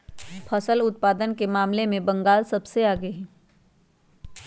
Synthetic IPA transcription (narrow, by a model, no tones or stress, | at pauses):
pʰɐsəlʊt̪̚paːd̪ənkemaːmlemẽbɐ̃ŋɡaːlsɐbseaːɡeɦɛ̃ː